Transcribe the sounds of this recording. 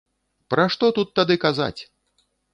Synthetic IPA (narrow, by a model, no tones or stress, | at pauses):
pɾaʂt̪ɔt̪ut̪ːad̪ɨkaza̰t͡sʲ